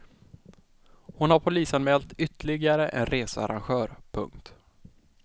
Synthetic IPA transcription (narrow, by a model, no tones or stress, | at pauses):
hʊnhaɾpʰʊliːsanmɛːlt̪ʏt̪ːəɭɪɡaɾəʔɛ̰nɾeːsəa̰ɾʔa̰nɧœːɾpʰɵ̰ŋkt̪